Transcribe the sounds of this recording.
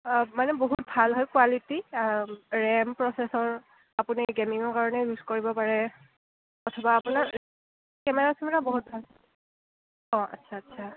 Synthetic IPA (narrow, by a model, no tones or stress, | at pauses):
manɛboɦut̚bʱalɦɔjkwaliti | ɹɛmpɹɔsɛsɔɹ | apuniɡɛmiŋɔɹkaɹɔnɛɹuzkoɹibɔpaɹɛ | kɔtʰɔbaːpunaɹ | kɛmɛɹasɛmɛɹaboɦut̚bʱal | ɔ̃a̰tːsʰaːtːsʰa